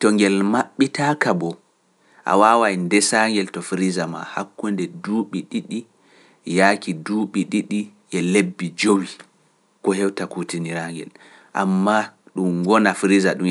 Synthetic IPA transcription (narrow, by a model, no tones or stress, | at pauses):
tɔŋɡɛlmaɓːitakabɔ | ʔa̰waːwajndɛsaŋɡɛltɔfɾizama̰ha̰kːundɛduːɓiɗiɗi | jaːkiduːɓiɗiɗi | ʔɛlebːid͡ʒowi | kɔhɛwtakutiniɾaŋɡɛ̰l | ʔa̰mːaɗumɡɔnafɾizaɗum